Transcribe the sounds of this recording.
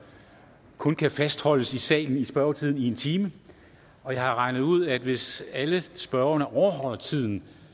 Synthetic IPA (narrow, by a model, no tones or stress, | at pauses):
kʰɔ̽nkʰæfæsd̥hɒ̽l̰əsisɛ̰ːln̩isb̥ɶɐʊt͡sʰið̰ˠn̩ie̝nt͡sʰiːmə | ɒ̽jɑ̈ɪhɑ̈ʁɑ̈ɪnəð̩ˠuð̞̰ˠæd̥ʋe̝sæləsb̥ɶɐɐnɐʔɒʊɐɦɒ̽l̰ɐt͡sʰið̰ˠn̩